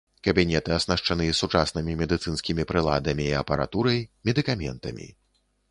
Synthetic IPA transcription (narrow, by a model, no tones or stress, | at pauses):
kɐbʲinʲɛt̪ɨɐsnaʂt͡ʂanɨsut͡ʂasnɨmʲimʲɛd̪ɨt̪sɨnsʲkʲimʲipɾɨlˠa̰d̪ɐmʲiːɐpɐɾa̰t̪uɾɐjmʲɛd̪ɨkamʲɛ̰nt̪ɐ̰mʲḭ